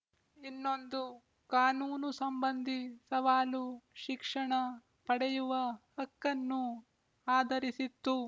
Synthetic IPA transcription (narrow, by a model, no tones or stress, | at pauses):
inːo̞nd̪u | kaːnuːnusɐmbɐnd̪ʱisɐʋaːluʃikʂɐɳɐ | pɐɽɛjuʋɐhɐkːɐnːu | aːd̪ʱɐɾisit̪ːu